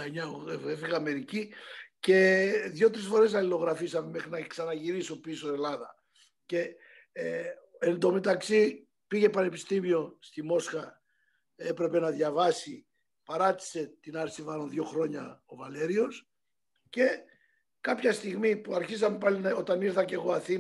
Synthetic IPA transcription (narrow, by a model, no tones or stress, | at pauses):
ɲɐeefiɣɐːme̞ɾicice̞ðʝo̞t̪ɾisfo̞ɾe̞sɐlilo̞ɣɾɐfisɐmeme̞xɾinɐksɐnɐʝiɾiso̞pisoe̞lɐðɐ | ce̞ | end̪o̞met̪ɐksi | piʝe̞pɐne̞pist̪imio̞st̪imo̞sxɐ | e̞pɾe̞pe̞nɐðʝɐvɐsi | pɐɾɐt̪i̥se̞t̪inɐɾsivɐɾonðʝo̞xɾo̞ɲɐ̰o̞vɐle̞ɾio̞s | ce̞ | kɐpçɐst̪iɣmipuɐɾçis̬ɐme̞pɐlino̞t̪ɐniɾθɐce̞ɣoɐθi